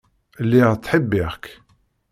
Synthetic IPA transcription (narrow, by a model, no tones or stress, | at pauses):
lːiʁt͡sħəbːiʁk